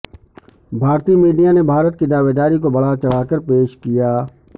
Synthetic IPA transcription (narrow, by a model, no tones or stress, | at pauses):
bʱaːɾt̪imiːɖijãnebʱaːɾət̪kid̪aːʋeːd̪aːɾikobəɽat͡ʃəɭ̤aːkəɾpeːʃkɪjaː